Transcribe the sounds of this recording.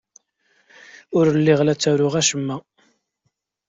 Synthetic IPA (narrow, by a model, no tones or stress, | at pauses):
ʊɾəlːɪʁlæt͡sːæɾʊʁæʃəmːæ